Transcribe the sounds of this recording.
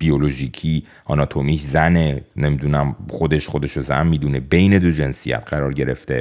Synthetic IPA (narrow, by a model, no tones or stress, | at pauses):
b̥io̞lo̞ʒiːcʰi | ɒnɒt̪ʰomikzænene̞mid̪unæmχo̞d̪e̞ʃχo̞d̪e̞ʃo̞zæ̰nmiːd̪une̞be̞jne̞d̪od͡ʒe̞nsijæ̰t̪ʰɢæɾɒːɾɟe̞ɾe̞ft̪e̞